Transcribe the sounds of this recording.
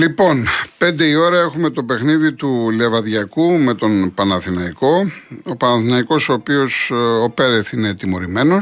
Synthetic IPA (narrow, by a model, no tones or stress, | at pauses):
lipo̞npe̞nd̪e̞io̞ɾɐe̞xume̞t̪o̞pe̞xniðit̪ulevɐðʝɐkume̞t̪o̞npɐnɐθinɐiko̞opɐnɐθinɐiko̞soːpio̞sope̞ɾeθine̞t̪imo̞ɾime̞no̞s